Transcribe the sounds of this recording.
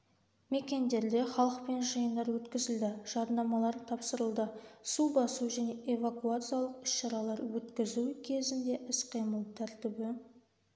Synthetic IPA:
me̞kʲe̞nd̪e̞ɾd̪e̞χɑlˠəqpe̞nʒəjənd̪ɑɾwɵt̪kʲɪzɪld̪ɪʒ̥ɑɾnɑmɑlˠɑɾt̪ʰɑpsəɾəlˠd̪əsubɑsuwʒæne̞ʔe̞vakuat̪sɨjalˠəqʏ̥sʃɑɾɑlˠɑɾwɵt̪kʲɪzuwkʲʰe̞zɪnd̪e̞ʔɪsqʰijməlˠt̪ʰæɾt̪ɪbɪ

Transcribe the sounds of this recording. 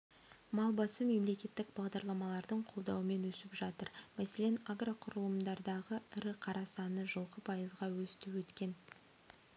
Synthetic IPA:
mɑlˠbɑsəme̞mle̞kʲe̞t̪ːɪkbɑʁd̪ɑɾlˠɑmɑlˠɑɾd̪əɴqʰo̞lˠd̪ɑwəme̞nwɵsɪpʒɑt̪əɾmæse̞le̞naɡraqʰʊɾəlˠəmd̪ɑɾd̪ɑʁəɪɾɪqʰɑɾɑsɑnəʒəlˠqəpʰɑjəzʁɑwɵst̪ɪwɵt̪kʲe̞n

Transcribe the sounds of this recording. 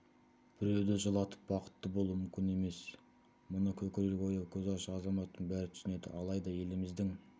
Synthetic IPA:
b̥ɪɾe̞wd̪eʒəlˠɑt̪ə̥p̚wɑqə̥t̪ːəbo̞lˠuəmʏmkʲɪne̞me̞s | mʊnəkʲʰɵkʲɪɾelɡʲo̞jɑwkʲʰɵzɑɾʃəɑzɑmɑt̪ːəɴbæɾɪt̪ʰʏ̥sɪne̞d̪ɪ̰ʔɑlˠɑjd̪ɑje̞lɪmɪzd̪ɪŋ

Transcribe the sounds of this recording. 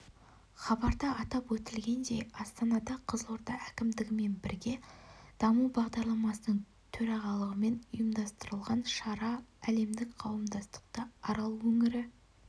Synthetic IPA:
χɑbɑɾd̪ɑɑt̪ɑpwɵt̪ɪlɡʲe̞nd̪e̞jɑst̪ɑnɑd̪ɑqʰəzo̞ɾt̪ɑækʲɪmd̪ɪɡʲɪme̞nbɪɾɡʲe̞d̪̥ɑmubɑʁd̪ɑɾlˠɑmɑsənəɴ | t̪ʰɵɾɑʁɑlˠəʁəme̞nʊjəmd̪ɑst̪əɾəlˠʁɑnʃɑɾɑæle̞md̪ɪkqʰɑwəmd̪ɑst̪ə̥q̚t̪əɑɾɑlˠuwɵŋɪɾɪ

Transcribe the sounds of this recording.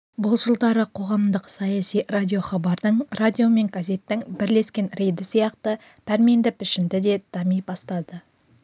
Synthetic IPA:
bʊlˠʒəlˠd̪ɑɾəqʰo̞ʁɑmd̪əqsɑjɑsijradʲio̞χɑbɑɾd̪əɴrad̪ʲijo̞me̞ŋɡaze̞t̪ːɪŋbɪɾle̞skʲe̞nre̞jd̪ɪsijɑqt̪ə | pʰæɾme̞nd̪ɪpʰʏʃɪmd̪ɪd̪e̞d̪̥ɑmijpɑst̪ɑd̪ə

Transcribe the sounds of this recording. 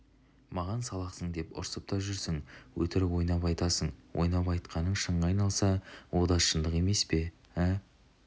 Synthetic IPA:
mɑʁɑnsɑlˠɑqsəɴd̪e̞pʊ̰ɾsəp̚t̪ɑpʒʏɾsɪŋwɵt̪ɪɾwo̞jnɑpɑjt̪ɑsəɴwʔo̞̰jnɑpɑjt̪qʰɑnəɴʃəɴəɑjnɑlˠsɑwo̞d̪ɑʃənd̪əqe̞me̞spe̞ | æ

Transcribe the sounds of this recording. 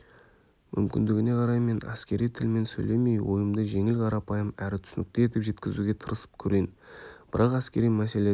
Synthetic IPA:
mʏmkʲɪ̰nd̪ɪɡʲɪne̞qʰɑɾɑjme̞næ̰skʲe̞ɾijt̪ʰɪlme̞nsɵjle̞me̞jwo̞̰jəmd̪əʒe̞ŋɪlqʰɑɾɑpɑjəmæɾɪt̪ʰʏ̥sɪnɪk̚t̪ee̞t̪ɪpʒe̞t̪kʲɪzuɡʲe̞t̪ʰəɾəsə̥pkʲʰɵɾenb̥ɪɾɑqæskʲe̞ɾijmæse̞le̞

